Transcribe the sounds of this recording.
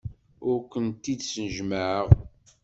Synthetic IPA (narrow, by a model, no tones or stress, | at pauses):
ʊɾkʷənt̪id̪sənəʒməʕəʁ